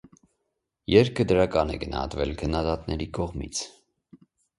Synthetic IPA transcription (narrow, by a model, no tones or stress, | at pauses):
jɛɾkʰəd̪əɾɑkɑnɛ̰ɡənɑ̰hɑ̰t̪vɛlkʰənːɑd̪ɑt̪nɛɾikɔʁmḭt͡sʰ